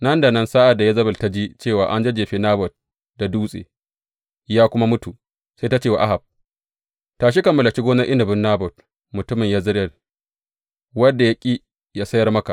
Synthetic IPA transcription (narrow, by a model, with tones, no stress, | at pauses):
nɐ˦nda˨nɐ˦nsa˦ʔa˨dːa˨ja˦zɐ˦bʊ˨lta˦d͡ʒi˦t͡ʃeː˦˨waː˨ʔa˦nd͡ʒe˦d͡ʒeː˨ɸiː˨naː˦bɔ˨t̚ | da˨duː˦sʼḛː˨ | jaː˦kʷʊ˦ma˦mʊ˦tu˨ | sa˦ta˦t͡ʃeː˦˨wa˨ʔa˦ɦa˨b̚ | taː˨ʃ̬i˦kɐ˨mːɐ˨lɐ˨kʲi˦ɡoː˦nɐ˦ʔɪ˦nɐ˨bʊ˦nːaː˦bɔ˨t̚ | mʊ˨tʊ˦mɪ˨jaː˦zɪ˦ɾɐ˦˨l | wɐ˦dːa˨ja˦kʲʼi˦ | jaː˦sɐ˦jɐ˦rmɐ˦ka̰˨